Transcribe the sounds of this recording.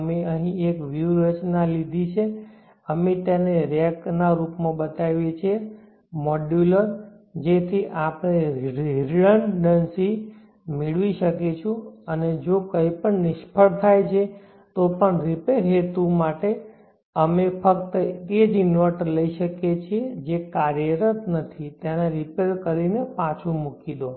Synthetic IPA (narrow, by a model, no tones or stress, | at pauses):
meəɦĩekʋjuɾət͡ʃnalid̪ʱit͡ʃʰe | əmet̪eneɾek̚naɾupmãbət̪aʋjet͡ʃʰe | mɔɖjuləɾ | d͡ʒet̪ʰiʔapɳ̃eɾɾəɳɖənsi | mɪɭʋiʃəket͡ʃʰũəned͡ʒokəipəɳnɪʃpʰəɭt̪ʰajt͡ʃʰe | t̪opəɳɾipeɾɦet̪umaʈe | əmepək̚t̪əed͡ʒɪnʋəɾʈləiʃəket͡ʃʰed͡ʒekaɾjəɾət̪nət̪ʰit̪janaɾipeɾkəɾinepãt͡ʃʰũmukid̪o